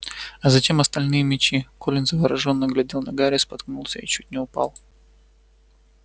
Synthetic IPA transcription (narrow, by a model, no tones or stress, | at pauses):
ɐzɐtʲe̞mɐst̪ɐlʲnɨjəmʲɪt͡ɕikolʲɪnzəvəɾɐʐo̞nːəɡlʲɐdʲelˠnɐɡaɾʲɪspɐt̪knulˠsʲəit͡ɕutʲnʲɪʊpa̰lˠ